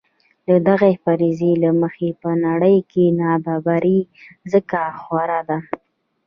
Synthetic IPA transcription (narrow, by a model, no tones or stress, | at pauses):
d̪əd̪aɣepaɾizelaməxepənaɽəjkʰenɑbɑbaɾi | zəkaxwaɾad̪a